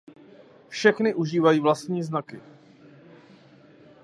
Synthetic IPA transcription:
fʃɛxnɪʔuʒiːvajiːvlast̪ɲiːznakɪ

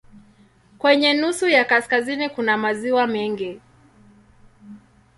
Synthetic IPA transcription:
kwɛɲɛnusujakaskazinikunamaziwamɛŋɡi

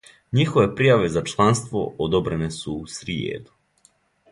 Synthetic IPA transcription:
ɲixoʋe̞pɾijaʋezat͡ʃlˠanst̪ʋo̰od̪obɾenesuːsɾiḛːd̪u̥

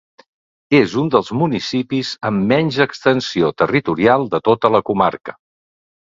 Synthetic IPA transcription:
ezund̪əlˠzmunisipizəmːɛnʲʒəkst̪ənsiot̪ərit̪uɾialˠd̪ət̪ot̪ələkuma̰rkə̥

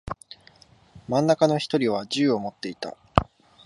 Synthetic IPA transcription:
mãnːakano̞çi̥t̪o̞ɾʲiβ̞aʑɨːo̞mo̞t̪ːe̞it̪a̰

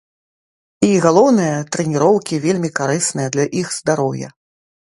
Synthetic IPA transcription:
iɣalˠɔwnɨjɐt̪ɾɛnʲiɾɔwkʲivʲelʲmʲikaɾɨsnɨjɐd̪lʲɐʔixz̥d̪aɾɔwjɐ̰

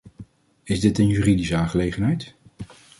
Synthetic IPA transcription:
ɪzdɪtənjyːridisəaːnχəlejχənɦɛjt

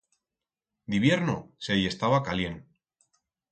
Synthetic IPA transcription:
d̪iβje̞ɾnoseje̞st̪aβakalje̞n

